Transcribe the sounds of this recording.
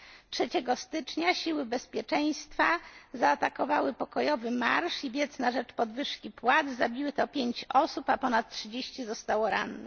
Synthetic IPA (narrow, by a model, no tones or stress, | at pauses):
tʂɛt͡ɕɛɡɔst̪ɘt͡ʂɲaɕiwɘbɛspʲjɛt͡ʂɛj̃st̪fazaːt̪akɔvawɘpɔkɔjɔvɘma̰ɾʂivʲjɛt̪snaʐɛt͡ʂpɔd̪vɘʂkʲipwad̪zzabʲiwɘt̪ɔpʲjeɲt͡ɕɔsupapɔnat̪̚tʂɘd͡ʑeɕt͡ɕizɔst̪awɔɾa̰nːɛ̰